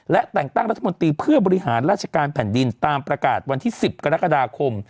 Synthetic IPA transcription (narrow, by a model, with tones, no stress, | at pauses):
lɛ˦˥ʔt̪ɛ˨˩ŋt̪a˥˩ŋɾa˦˥t̪ʰːa˧mo˧nt̪iː˧pʰɯ˥˩bɔː˧ɾi˦˥haː˩˦nɾaː˥˩t̪̚t͡ɕʰḁ˧kaː˧npʰɛ˨˩˦ndi˧nt̪aː˧mpɾa˧ka̰ː˨˩t̪̚wa˧nt̪ʰiː˥˩si˨˩p̚ka˧ɾa˦˥ka˧daː˧kʰo˧m